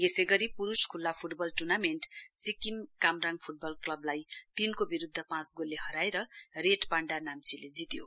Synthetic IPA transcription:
jeseɡʌɾipuɾuskʰulːapʰuʈbʌlʈurnameɳʈsikimkamraŋpʰuʈ̚bʌlklʌblajt̪inkobiɾud̪ʱːʌpãt͡sɡolːeɦʌɾajɾʌreʈpaɳɖanamt͡siled͡zit̪jo

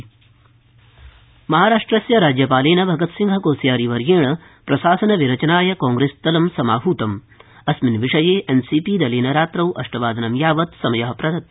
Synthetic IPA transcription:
mɐɦaːɾaːʂʈɾɐsjɐɾaːd͡ʒjɐpaːleːnɐbʱɐɡɐt̪siŋɡʱɐkoːsjaːɾiʋɐɾjeːɳɐ | pɾɐsaːsɐnɐʋiɾɐt͡ʃɐnaːjɐkaːŋɡɾeːst̪ɐlɐmsɐmaːɦuːt̪ɐm | ɐsminʋiʂɐjeːʔensiːpiːd̪ɐleːnɐɾaːt̪ɾɐwʔɐ̰ʂʈɐʋaːd̪ʱɐnɐmjaːʋɐt̪sɐmɐjɐɦɐpɾɐd̪ɐt̪̚

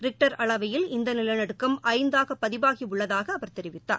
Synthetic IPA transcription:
ɾɪk̚ʈɐɾɐɭɐʋɐjɪlɪnd̪ɐnɪlɐnɐɽɯkːɐmʔɐɪnd̪aːɣɐpːɐðɪbaːɣiʊɭːɐðaːɣɐːʋɐɾt̪ɛɾɪʋɪt̪ːa̰ː

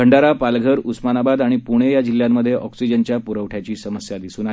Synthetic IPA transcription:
əɳɖaɾapalɡʱəɾusmanabad̪aɽ̃ipuɽ̃ejad͡ʑilːjamːəd̪ʱːjeʔɔksid͡ʑənt͡ɕjapuɾəʋʈʰjat͡ɕiːsəməsjad̪isuːna

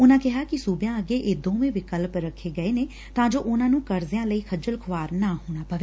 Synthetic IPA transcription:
ʊnãːkɪɦaːkɪsuːbjãːəɡeːʔeːd̪õːʋẽːʋɪkəlpɾəkʰːeːɡəeːneː | t̪ãːd͡ʒoːʔʊnãːnũːkəɾzɪjãːləiːkʰəd͡ʒəlkʰʊʋaːɾnaːɦoːɽ̃aːpəʋe

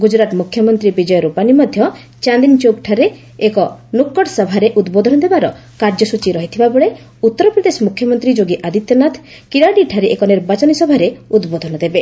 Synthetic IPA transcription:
ɡud͡ʒɾat̪mukʰjɔmɔnt̪ɾibid͡ʒɔjɔɾupanimɔd̪ʱjɔ | t͡ʃand̪int͡ʃok̚ʈʰaɾeː | kɔnukːɔɽsɔbʱaɾeʔud̪bod̪ʱɔnɔd̪ebaɾɔ | kaɾd͡ʒɔsut͡ʃiɾɔɦit̪ʰibabɔɭe | ut̪ːɔɾɔpɾɔd̪esɔmukʰjɔmɔnt̪ɾid͡ʒoɡiʔad̪it̪jɔnat̪ʰ | kiɽaɽiʈʰaɾeʔekɔneɾbat͡ʃɔnisɔbʱaɾeud̪bod̪ʱɔnɔd̪ebe

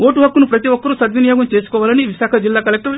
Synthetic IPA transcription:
oːʈuɦɐkːunupɾɐt̪iʋɔkːɐɾusɐd̪ʋinijoːɡɐmt͡ʃe̞ːsu̥kɔːʋaːlɐniʋiʃaːkʰɐd͡ʒilːaːkɐlek̚ʈɐ

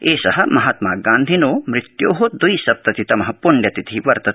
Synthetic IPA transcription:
eːʃɐɦɐ̆mɐɦaːt̪maːɡaːnd̪ʱinoːmɾɪt̪joːɦod̪ujsɐp̚t̪ɐt̪it̪ɐmɐɦɐ̆puɳɖjɐt̪it̪ʰiʋɐɾt̪ɐ

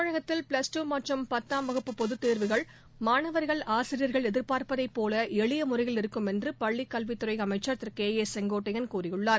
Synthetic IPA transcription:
ɐɻɐɣɐt̪ːɪlpɭɐsʈuːmaːʈrɐmpɐt̪ːaːmʋɐɣɯpːɯpɔðɯt̪ːeːɾʋɯɣɐɭ | maːnɐʋɐɾɣɐɭaːsɪɾɪjɐɾɣɐɭɛðɪɾpaːɾpɐðɐɪpːoːlɐɛɭɪjɐmʊrɐɪjɪlɪɾɯkːɯmɛndrɯpɐɭːikːɐlʋit̪ːʊɾɐɪɐmɐɪt͡ʃːɐɾt̪ɾkeːjeːsɛŋɡoːʈːɐjɐnkuːrɪjɯɭːaːɾ

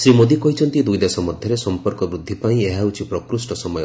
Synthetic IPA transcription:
sɾimod̪ikɔɦit͡ʃʰɔnt̪id̪ujd̪esɔmɔd̪ʱjɔɾesɔmpɔɾkɔbɾud̪ʱːipaĩeɦaut͡ʃʰipɾɔkɾusʈɔsɔmɔjɔ

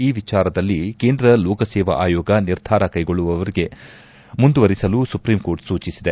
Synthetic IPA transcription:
iːʋit͡ʃaːɾɐd̪ɐlːikeːnd̪ɾɐlɔːkɐsɛːʋɐ̰ʔaːjɔːɡɐniɾd̪ʱaːɾɐkɐjɡoɭːuʋɐʋɐɾiɡe̞ | mund̪uʋɐɾisɐlusupɾiːmko̞ːɾʈsuːt͡ʃisid̪e̞

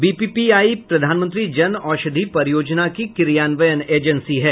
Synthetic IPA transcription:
biːpiːpiaːipɾɐd̪ʱaːnmə̃nt̪ɾid͡ʒɐnɔːʃəd̪ʱipɐɾjoːd͡ʒnakikɪɾjaːnʋəjəneːd͡ʒə̃nsiɦɛː

